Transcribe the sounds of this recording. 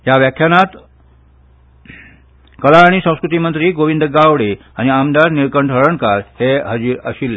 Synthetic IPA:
jaʋjakʰjanat̪ | kəlaːɽ̃isə̃w̃skɾut̪imənt̪ɾiːɡoʋind̪əɡaʋɽe | añiamd̪aɾniɾkəɳɖʰəɾəɳkaɾheɦəd͡ʑiɾə̰ɕilːe

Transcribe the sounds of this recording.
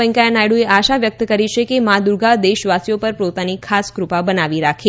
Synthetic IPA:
ə̃ŋkajanajɽueʔaʃaʋjək̚t̪kəɾit͡ʃʰekemãd̪uɾɡad̪eʃʋasjopəɾpɾot̪anikʰaskɾupabənaʋiɾakʰe

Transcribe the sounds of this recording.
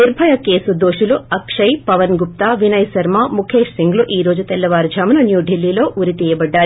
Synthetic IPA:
niɾbʱɐjɐkeːsud̪oːʂuluɐkʂɐjpɐʋɐnɡup̚t̪aːʋinɐjsɐɾmamukʰeːʂsiŋɡluʔiːɾo̞ːd͡ʒut̪ɛlːɐʋaːɾd͡ʒʱaːmɐnɐnjuːɖilːiːlo̞ːʔuɾit̪iːjɐbɐɖːaːɾi

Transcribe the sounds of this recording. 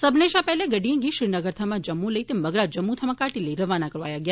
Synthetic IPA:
səbneʃapɛɦleɡəɖijẽɡiʃɪɾnəɡəɾt̪ʰamãd͡ʒəmːũləit̪eməɡɭad͡ʒəmːũt̪ʰəmãkaʈiləiɾəʋanakəɾʋajaɡja

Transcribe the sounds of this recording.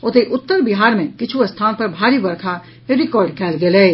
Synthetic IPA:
ot̪eʔʊt̪ːəɾbɪɦaːɾmẽkɪt͡ʃʰust̪ʰaːnpɐɾbʱaːɾibɐɾkʰa | ɾɪkɔːɾɖkʰɛːlɡeːleː

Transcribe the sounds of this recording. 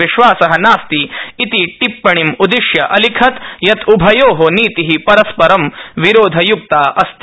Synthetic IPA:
iʃʋaːsɐɦɐnaːst̪iit̪iʈipːɐɳimud̪iʃjɐʔɐlikʰɐt̪jɐt̪ubʱɐjoːɦoniːt̪iɦipɐɾɐspɐɾɐmʋiɾoːd̪ʱɐjuk̚t̪aːɐst̪

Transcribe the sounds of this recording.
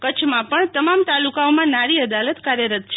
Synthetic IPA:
kət͡ʃʰmãpəɳt̪əmamt̪alukaomãnaɾiəd̪alət̪kaɾjəɾət̪t͡ʃʰe

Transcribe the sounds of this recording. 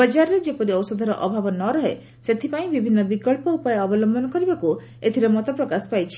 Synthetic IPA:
bɔd͡ʒaɾɔɾed͡ʒepɔɾiɔwsɔd̪ʱɔɾɔʔɔbʱabɔnɔɾɔɦe | set̪ʰipaĩbibʱinːɔbikɔɭpɔupɔjɔɔbɔlɔmbʱɔnɔkɔɾibaku | et̪ʰiɾemɔt̪ɔpɾɔkaspajt͡ʃʰi̥

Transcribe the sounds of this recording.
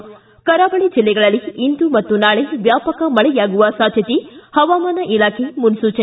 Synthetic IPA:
kɐɾaːbɐɭid͡ʒilːɛɡɐɭɐlːiind̪umɐt̪ːunaːɭeʋjaːpɐkɐmɐɭɛjaːɡuʋɐsaːd̪ʱjɐt̪ihɐʋaːmaːnɐʔilaːkʰemunsuːt͡ʃɐ

